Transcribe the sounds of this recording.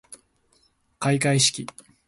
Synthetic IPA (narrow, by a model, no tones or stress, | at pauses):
kaikaiɕi̥kʲi